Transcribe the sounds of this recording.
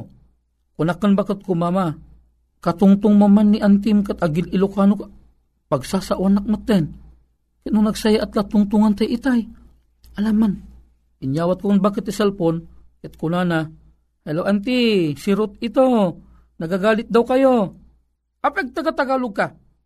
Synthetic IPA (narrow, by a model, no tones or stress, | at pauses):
kʊnakːanbakət̪̚komaːma | kat̪ʊŋt̪ʊŋmamanːiʔant̪̬ɪmkat̪ʔaɡɪlɪlukaːnʊka | pɐɡsasaʔwanak̚mat̪ːɛn | kat̪nʊŋnɐɡsajaʔat̪̚lat̪ʊŋt̪uŋant̪ajʔit̪aj | ʔɐlamːan | ɪnjaːwat̪kokanbakət̪isɛlponkat̪̚kʊnana | halawʔant̪isɪɾʊt̪̚ɪt̪o | nɐɡaɡaːlɪt̪̚d̪awkajo | ʔapɛɡ̚t̪aɡat̪aɡalʊɡ̚ka